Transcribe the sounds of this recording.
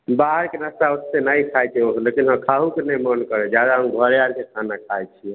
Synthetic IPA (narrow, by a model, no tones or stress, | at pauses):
baɦəɾkenast̪aosːenajkʰajt͡ʃʰioɦlekinɦəmkʰaɦukenɛjmənkəɾɛd͡ʒad̪aɦəmɡʱəɾalkekʰanakʰajt͡ʃʰiɛ